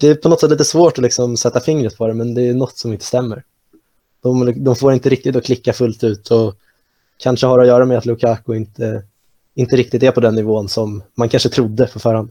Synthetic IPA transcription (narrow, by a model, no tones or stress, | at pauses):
d̪̥ɛæɾpʰɔnɔt̪sɛt̪lit̪əsvoːʈɔlɪksɔmsɛt̪ːafɪŋɾət̪̚pʰɔɾɛmɛnd̪ɛːjɵnɔt̪ːsɔmɪnt̪ə̥st̪ɛmːəɾ | d̪̥ɔmd̪ɔmfoːɾɪnt̪əɾɪk̚t̪ɪt̪ɔkʰlɪkːafɵlt̪ʉ̟ːt̪ʰɔ | kʰanʂəhaɾɔjœːɾamɛat̪lʊkʰaːkʊɪnt̪ʰə | ɪnt̪əɾɪk̚t̪ɪt̪ɛɾpʰɔd̪ɛnːɪvoːnsɔmːankʰanʂət̪ʰɾʊd̪ːəfœɾfœːɾhand̪